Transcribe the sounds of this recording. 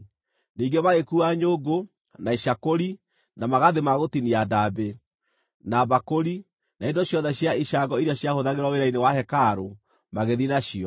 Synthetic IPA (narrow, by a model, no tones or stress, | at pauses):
niːŋɡemaɣekuaɲoɡo | naiʃakoɾi | namaɣaðemaɣotiniadabe | naβakoɾi | naendɔɕjɔðɛɕjaiɕaɡɔiɾaɕjahoðaɣeɾwɔweɾainewahɛkaɾo | maɣeðinaɕiɔ